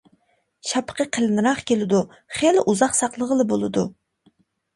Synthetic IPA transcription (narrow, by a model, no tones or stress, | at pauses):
ʃɑpʰə̥qʰəqʰəlnɨɾɑχkʲelɪd̪u | χelʔuzɑqsɑqlˠəʁəlˠɨbolˠɨd̪ṵ